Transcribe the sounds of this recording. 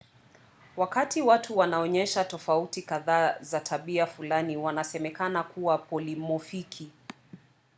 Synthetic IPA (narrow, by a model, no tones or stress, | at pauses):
wakatʰiwatuwanaɔɲɛʃatɔfautikaðaːzatʰaɓiafulaniwanasɛmɛkanakuwapɔlimɔfikʰi